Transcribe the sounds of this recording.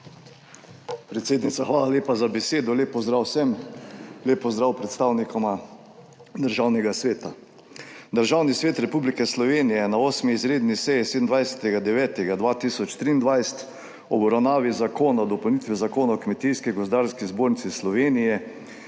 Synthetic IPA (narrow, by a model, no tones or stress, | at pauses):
pɾɛt̪seːd̪nit̪saxʋaːlaleːpazabɛseːd̪ɔleːpːɔzd̪ɾawsɛm | leːpːɔzd̪ɾawpɾɛt̪st̪awnikʰɔma | d̪əɾʒawnɛɡasʋeːt̪a | d̪əɾʒawnisʋeːt̪ɾɛpublikɛslɔʋeːnijɛnaoːsmiːzɾeːd̪nisɛjised̪ənd̪ʋajsɛ̥t̪ɛɡad̪ɛʋɛːt̪ɛɡad̪ʋaːt̪isɔt͡ʃt̪ɾiːnd̪ʋajsɛ̥t̪ | ɔbɾawnaːʋizakʰoːnad̪ɔpəwnit̪ʋizakoːnaɔkmɛt̪ijskiɡɔzd̪aːɾskizboːɾnit̪sislɔʋeːnijɛ